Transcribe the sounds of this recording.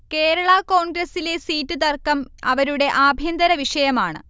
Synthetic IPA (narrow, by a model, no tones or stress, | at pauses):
ke̞ːɾɐɭɐkoːɳɡɾɐsile̞siːtːɨt̪ɐrkːɐmɐʋɐɾuɽe̞ʔaːbʱjɐnd̪ɐɾɐʋiʂɐjɐmaːɳɨ̰